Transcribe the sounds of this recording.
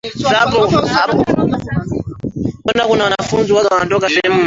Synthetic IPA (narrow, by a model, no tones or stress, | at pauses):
sapɔhapɔ | ɔnakunawanafunziwazawandɔkasɛɛm̩